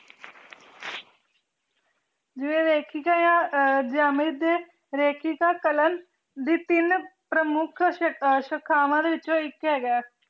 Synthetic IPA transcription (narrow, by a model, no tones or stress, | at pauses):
d͡ʒɪʋẽːɾeːkʰiːkaːjãːd͡ʒaːmiːd̪eː | ɾeːkʰiːkaːkələn | d̪iːt̪ɪnpɾəmʊkʰʃəkʰːaːʋãːd̪eːʋɪt͡ʃːõːɪkɦɛːɡaː